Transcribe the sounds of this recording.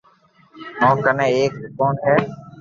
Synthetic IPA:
nõːkənẽːeːk̚sɪkoːɳɦɛː

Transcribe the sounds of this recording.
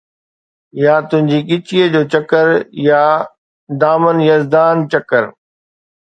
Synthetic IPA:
jat̪ʊ̃ɦɪ̃ɲd͡ʑiːkɪt͡ɕiːəd͡ʑoːt͡ɕɐkəɾja | d̪aːmənjɐzd̪aːnt͡ɕɐkəɾ

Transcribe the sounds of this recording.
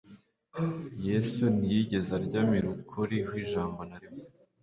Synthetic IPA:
jesunijiɟe̞zaɾɟaːmiɾukʰuɾihwiːʒaːmbonaɾimo

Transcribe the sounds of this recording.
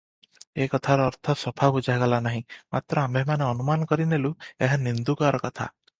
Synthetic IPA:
ekɔt̪ʰaɾɔːɾt̪ʰɔsɔpʰabud͡ʒaɡɔlanaɦĩmat̪ɾɔambemaneɔnumanɔkɔɾinelueɦanind̪ukaɾɔkɔt̪ʰa̰

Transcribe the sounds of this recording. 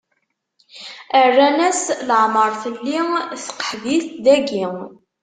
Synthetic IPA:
ərːænæsləʕməɾˤθəlːiθqə̥ħviθd̪æɡiŋ

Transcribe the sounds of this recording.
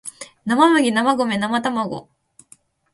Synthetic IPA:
namamɯɡʲinamaɡo̞me̞namat̪amaɡo̰

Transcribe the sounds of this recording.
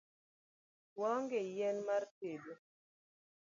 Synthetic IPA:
wɔŋɡejɛnmartedo

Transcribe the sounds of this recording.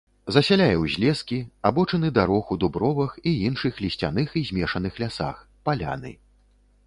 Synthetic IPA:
zɐsʲalʲajɛwzʲlʲɛskʲiabɔt͡ʂɐnɨd̪aɾɔxud̪ubɾɔvɐxiinʂɨxlʲisʲt͡sʲa̰nɨxizʲmʲɛʂɐn̪ɨxlʲasa̰x | palʲa̰nɨ̰

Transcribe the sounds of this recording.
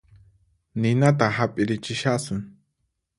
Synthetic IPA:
nɪnat̪̬ahapʼɪɾɪt͡ʃɪʃasʊŋ

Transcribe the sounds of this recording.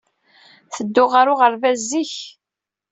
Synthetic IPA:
θəd̪ːʊʁaɾʊʁəɾvæzːiç

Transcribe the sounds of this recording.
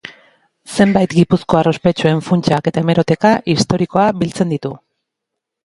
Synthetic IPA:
se̞mbajt̪ɡipusko̞aro̞spe̞t͡ʃue̞ɱfunt͡ʃake̞t̪ae̞me̞ɾo̞t̪e̞kaʔist̪o̞ɾiko̞abilt͡se̞nd̪it̪u

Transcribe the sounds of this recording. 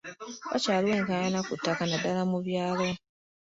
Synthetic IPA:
βa̰t͡ʃaːlwe̞ːŋkajanakutːakanadalamuβjaːlo

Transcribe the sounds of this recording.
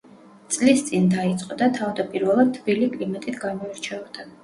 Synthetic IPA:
t̪sʼlist̪sʼind̪ait̪sʼqʼɔd̪at̪ʰavd̪apʼiɾvɛlˠad̪̚t̪ʰːb̥ilikʼlimat̪ʼit̪ʰɡamɔiɾt͡ʃʰɛɔt̪ʰan

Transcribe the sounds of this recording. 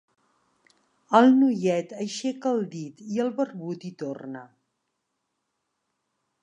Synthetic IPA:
əlˠnujɛt̪əʃekəlˠd̪it̪iəlˠβərβut̪it̪ornə

